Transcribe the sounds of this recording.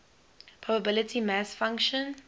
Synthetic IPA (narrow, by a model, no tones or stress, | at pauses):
pʰɔbəbɪlətʰimasfãŋkʃə̃n